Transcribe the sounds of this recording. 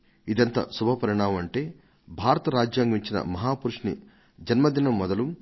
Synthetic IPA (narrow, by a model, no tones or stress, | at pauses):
id̪ɐnt̪ɐ̰subʱɐpɐɾiɳaːmɐmɐɳʈeː | bʱaːɾɐt̪ɐɾaːd͡ʒjaːŋɡɐʋiɲt͡ʃinɐ̰mɐɦaːpuɾuʂni | d͡ʒɐnmɐd̪inɐmːɔd̪ɐlum